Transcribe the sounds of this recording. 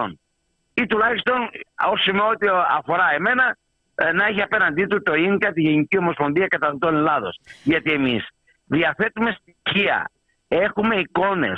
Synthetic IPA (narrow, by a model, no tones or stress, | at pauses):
on | it̪ulɐçist̪o̞nosimeo̞t̪iɐfo̞ɾɐe̞me̞nɐ | nɐeçiɐpe̞nɐnd̪it̪ut̪o̞inkɐt̪iʝenicio̞mospo̞nðiɐkɐt̪ɐt̪onlɐðo̞̰sʝɐt̪ie̞mis | ðiɐθe̞t̪ume̞st̪i̥çiɐ̰ | e̞xume̞iko̞ne̞̰s